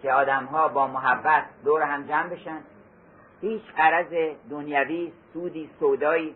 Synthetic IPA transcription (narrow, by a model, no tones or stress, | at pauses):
kʰeɒːd̪æmɦɒːbɒːmoɦæbːæt̪̚ʰd̪oːɾeɦæmd͡ʒæmbe̞ʃænd̪̥ | hiːt͡ʃɢæɾæzed̪onjæviːsuːd̪iːsod̪ɒːiː